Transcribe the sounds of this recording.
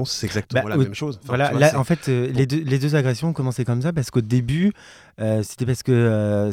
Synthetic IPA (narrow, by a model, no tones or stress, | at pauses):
sɡzak̚t̪bawimɛmʃozvvwalalaɑ̃fɛt̪ʰøled̪øled̪øzaɡʁɛsjɔ̃ɔ̃kɔmɑ̃sekɔmsapaʁsə̥kod̪eby | øse̥t̪ɛpaʁsə̥kəø